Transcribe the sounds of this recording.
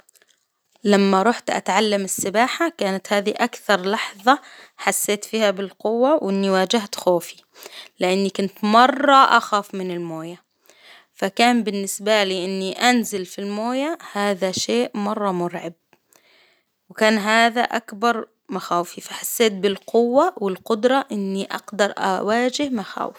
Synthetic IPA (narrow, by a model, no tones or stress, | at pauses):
lamːaɾˤuːħt̪ʔa̰t̪ʕalːamɪsːɪbaːħakaːnat̪haːðiʔakθɑɾˤlɑħðˤɑħasːeːt̪fiːhabɪlqʊwːawʔɪnːiwaːd͡ʒɪht̪xoːfi | lɪʔɪnːikʊnt̪mɑrˤːɑʔa̰xaːfmɪnɪlmoːja | fakaːmbɪnːɪsbaliːʔɪnːiʔanzɪlfilmoːjahaːðaʃeːʔmɑrˤːɑmʊɾʕɪb̚ | wɪkaːnɦaːðaʔakbɑɾˤ | maxaːwfifaħasːeːt̪̚bɪlqʊwːawɪlqʊd̪ɾˤɑʔɪnːiʔɑ̰ɡd̪ɑɾˤʔa̰waːd͡ʒɪhmaxa̰ːwɪf